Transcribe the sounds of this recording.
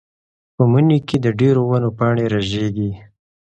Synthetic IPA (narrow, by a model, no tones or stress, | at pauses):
pəmuniked̪əɖeɾowanopɑɳeɾaʒeɡi